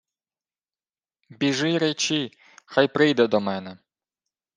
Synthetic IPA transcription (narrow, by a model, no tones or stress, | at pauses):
bʲiʒɪjɾet͡ʃi | xɑjpɾɪjd̪ɛd̪ɔmɛnɛ